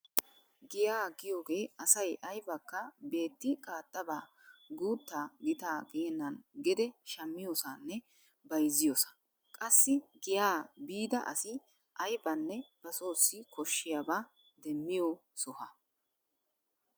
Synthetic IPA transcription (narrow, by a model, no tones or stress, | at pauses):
ɡɪjaːɡɪjoːɡe̞ːɐsɐjʔɐjbɐkːɐbe̞ːt̪ːɪkʼaːt̪ʼːɐbaː | ɡuːt̪ːaːɡɪt̪aːɡɪjɛnːɐnɡɪd̪ɛʃɐmːɪjoːsanːɛ | bɐjzɪjoːsɐ̥ | kʼɐsːɪɡɪjaːbiːd̪ɐʔɐ̰sɪ | ʔɐjbɐnːɛb̥ɐso̞ːsːɪkʰɔʃːɪjabaː | d̪ɛmːɪjosɔhɐ